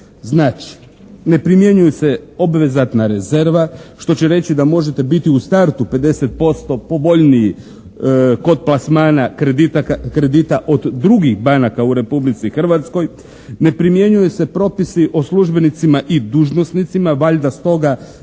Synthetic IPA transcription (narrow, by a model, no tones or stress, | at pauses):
znaːt͡ʃi̥ | ne̞pɾimjeɲujeseo̞bʋe̞zat̪naɾe̞ze̞ɾʋaʃt̪o̞t͡ɕeɾe̞t͡ɕid̪amo̞ʒet̪e̞bit̪iust̪aɾt̪upe̞d̪e̞se̞t̪̚po̞st̪o̞po̞bo̞ʎniji | ko̞d̪̚plˠasmaːnaked̪it̪akɾe̞d̪it̪aʔod̪ːɾuɡixbanakauɾe̞publit̪sixr̩ʋat̪sko̞j | ne̞pɾimje̞ɲujesepɾo̞pisiʔo̞sluʒbe̞nit̪simaʔid̪uʒno̞snit̪simaʋaʎd̪ast̪o̞ɡa